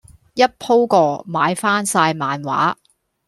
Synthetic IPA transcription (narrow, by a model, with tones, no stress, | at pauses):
jɐ˥t̚pʰo˥wkɔː˧maː˨˧jfaː˥nsaː˧jmaː˨˧nwa̰ː˨˥